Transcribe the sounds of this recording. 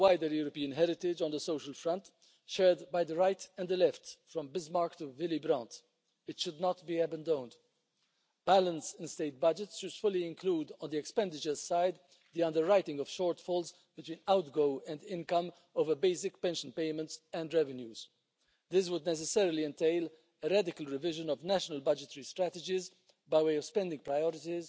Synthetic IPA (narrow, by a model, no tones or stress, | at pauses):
waɪdəɾjuɾɔpiə̃nɦɛɾɪt̪ɪd͡ʒɔ̃n̩d̪əsoʊʃəlfɹʌ̃nt | ʃɛɹd̪baɪd̪əɹaɪtɛ̃nd̪əlɛftfɹɔ̃mbɪzmɑɹktuvɪlibɾãnt | ɪtʃʊd̪nɔtbiæbə̃ndõʊ̃nd̪ | b̥ælə̃nsɪ̃nsteɪt̚bʌd͡ʒɪtsʃʊdfʊliɪ̃nkluːd̪ɔ̃nd̪iɛkspɛ̃nd̪ɪt͡ʃə˞zsaɪd̪ | d̪iʌ̃nd̪əɹːaɪtɪ̃ŋɡɔv̥ʃɔɹtfɔlz | b̥ɨt̪wĩːnaʊtɡoʊɛ̃ndɪ̃nkʌ̃m | oʊvəbeɪs̬ɪkpɛ̃nʃə̃npeɪmə̃ntsɛ̃ndɹɛvɛ̃njuːz | d̪ɪs̬wʊd̪nɛs̬ɛsɛɹəliɛ̃nteɪl | əɾadɪkəlɹɪvɪʒə̃nɔvnæʃənəlbʌd͡ʒətəɹistɾæt̪əd͡ʒɪz | baɪweɪɔv̥spɛ̃nd̪ɪ̃ŋɡpɹajɔɾɪtiz